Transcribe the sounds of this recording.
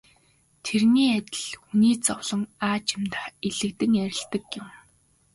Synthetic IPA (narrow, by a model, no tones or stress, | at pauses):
t̪ʰerniːat̪ʲɪ̆ɮxuniːt͡sɔwɮɞ̆ŋaːt͡ɕɪ̆mt̪aχeɮɘ̆kt̪ɘ̆ŋjæɾʲɪ̆ɬt̪ə̆kjʊ̆m